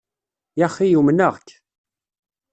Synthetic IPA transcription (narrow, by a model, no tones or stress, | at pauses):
jɑχːijumnəʁkː